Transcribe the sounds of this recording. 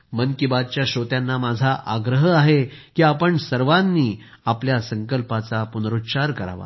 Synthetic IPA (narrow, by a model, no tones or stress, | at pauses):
mənkibad̪̚t͡ɕjaɕot̪janːamad͡zʱaʔaɡɾəɦəaɦekiːapəɳsəɾʋanːiː | apljasəŋkəlpat͡sapunɾut̪ːt͡ɕaɾkəɾa̰ʋa̰